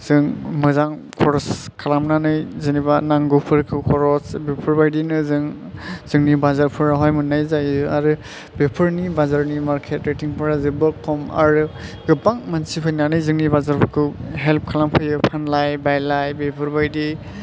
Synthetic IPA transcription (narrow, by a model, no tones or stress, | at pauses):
z̥ɯŋmɯzaŋkʰɔɾɔskʰalamnanɯjzɯnibanaŋɡɯpʰɯɾkʰɯkʰɔɾɔsbepʰɯɾbajdinɯzɯŋ | z̥ɯŋnibazaɾpʰɯɾaɦɔjmɯnajzajɯaɾɯ | bepʰɯɾnibazaɾnimaɾkʰetɾetiŋpʰɯɾazɯbɯkʰːɔma̰ɾɯɡɯbaŋmansipʰajnanɯjzɯŋnibazaɾpʰɯɾkʰɯɦelp̚kʰalampʰɯjɯpʰanlajbajlajbepʰɯɾbajdi